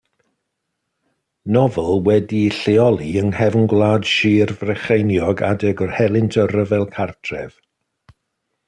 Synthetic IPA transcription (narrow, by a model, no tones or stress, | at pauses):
nɔvəlˠwɛdiɬeɔlˠiənhɛvnɡwlˠaːd̥ʃiːrvrɛχejnjɔɡa̰dɛɡɔrhɛlˠɪntʰərəvɛlˠkʰartʰrɛv̥